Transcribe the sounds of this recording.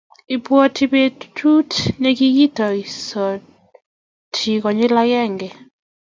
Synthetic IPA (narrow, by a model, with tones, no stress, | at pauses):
ɪ˨pwɔ˦ti˨be˦tʰu˦tne˦ki˦ɡi˦tɔ˨i˨sɔ˨ | tʰi˨kɔ˨ɲɪ˦la˦ɡɛ˦˨ŋɡɛ˨